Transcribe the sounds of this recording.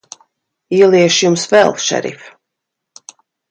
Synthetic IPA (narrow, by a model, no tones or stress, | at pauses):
iːlˠiɛʃjumsvɛlˠʃɛ̰ɾḭf